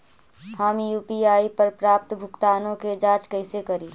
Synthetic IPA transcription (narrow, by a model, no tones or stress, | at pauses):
hamjuːpiaːipəɾpɾaːp̚t̪bʱʊkt̪aːnõked͡ʒaːt͡ʃkəɪsekəɾiː